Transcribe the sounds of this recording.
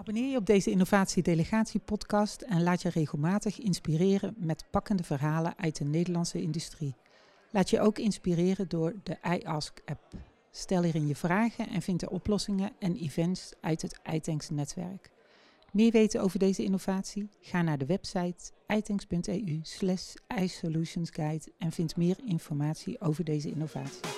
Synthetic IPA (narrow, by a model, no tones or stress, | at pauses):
ɑbɔnɪːɹjəɔb̚dejzəɪnovaːtsidejləχaːtsipɔtkɑstɛnlaːtjərejɣəlˠmaːtəχɪnspirɪːrəmɛtpɑkəndəvəɹɦaːlə̰nʔœɥt̚dənejdəɹlɑnsəɪndystri | laːtjəʔowkɪnspirɪːrədʊːɹdəʔɛjʔɑskɛp̚ | stɛlˠɛːrɪnjəvraːχənʔɛ̰nvɪntjə̰ʔɔplɔsɪŋəɛnivɛntsʔœɥtɦətɛ̰jtɛŋksnɛtʋɛ̰ɹk | mɪːɹʋejtənowvəɹdejzəɪnowvaːtsiχaːnaːɹdəʋɛpsɑjtʔɛjtɛŋspɵntḛːyslɛʃɛjsoluʃənsɡajtɛnv̥ɪntmɪːɹɪnfɔɹmaːtsḭʔowvəɹdejzəɪ̰nowvaːtsi